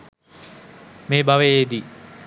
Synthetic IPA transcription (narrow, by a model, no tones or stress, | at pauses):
meːbaʋejed̪i